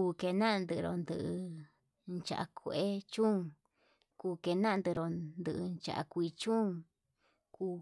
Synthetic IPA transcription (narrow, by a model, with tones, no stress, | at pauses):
u˧ke˧nã˦˧nd̪ɨ˧ɾo˧nd̪ɨ˧ʔɨ˧ | nt͡ʃa̰˧ʔa̰˧kʰo˧ʔe˦t͡ʃũ˦ŋ | kuː˧ke˧nã˦˧nd̪ɨ˧ɾo˧˨nd̪ɨ˧ʔnt͡ʃa̰˨ʔa̰˧kʷi˧t͡ʃũ˦ŋ | kuː˧